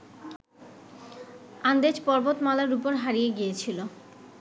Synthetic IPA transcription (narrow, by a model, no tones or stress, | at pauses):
and̪ed͡ʑpɔɾbot̪malaɾupoɾɦaɾijeɡijet͡ɕʰilo